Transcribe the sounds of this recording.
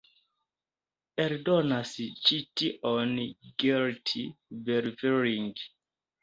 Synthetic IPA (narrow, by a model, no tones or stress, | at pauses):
peɾdonast͡ʃitiʔonɡiltʰibɛɾifɛɹiŋɡ